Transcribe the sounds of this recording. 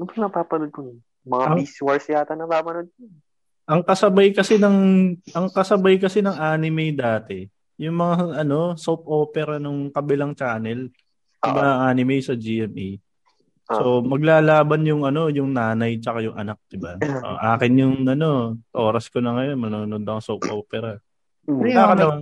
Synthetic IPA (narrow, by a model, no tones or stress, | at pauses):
nʊpɐnɐpaːpɐnod̪̚poj | mɐŋaɐpŋiswɐɹsjaːt̪ɐnːɐbaːmɐnod̪̚po | ʔɐŋkɐsɐbajkɐsɛnɐŋʔɐŋkɐsɐbajkɐsɛnɐŋʔaːnɪmɛjd̪aːt̪ɛ | jʊŋmɐŋaʔɐno̞sowp̚ʔo̞ːpɛɾɐnʊŋkɐbɪlaŋt͡ʃaːnɛl | jʊmɐŋaʔaːnɪmɛjsɐd͡ʒiʔɛmʔej | so̞mɐɡ̚laːlaːbɐnjʊŋɐno̞jʊŋnaːnɐjt͡ʃɐkajʊŋʔɐ̰nak̚d̪̥ɪbaʔo̰ʔaːkɪnjʊŋɐno̞ʔo̞ːɾɐskonɐŋɐjo̞nmɐnoːʊnod̪̚bɐŋsowp̚ʔoːpɛɾɐ | aːkɐnɐman